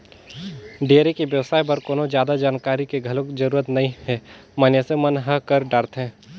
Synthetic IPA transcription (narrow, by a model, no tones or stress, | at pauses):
ɖeːɾekibjəʋsaːjbəɾkoːnod͡ʒjaːd̪ad͡ʒaːnkaːɾikeɡʱɐlõkd͡ʒəɾuːɾət̪nɐɦĩɦɛməːnjesemənɦəɦkəɾɖaːɾt̪ɦɛ̃ː